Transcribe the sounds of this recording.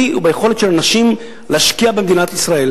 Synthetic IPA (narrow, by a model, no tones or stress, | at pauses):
iṵbaje̞χo̞lett͡ʃʃe̞lanaʃim | lʔeaʃkiabemd̪inat̪isʁae̞l